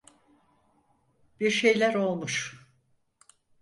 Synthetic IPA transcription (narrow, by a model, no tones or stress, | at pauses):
b̥iɾʃe̞jlʲæɾo̞lˠmuʃ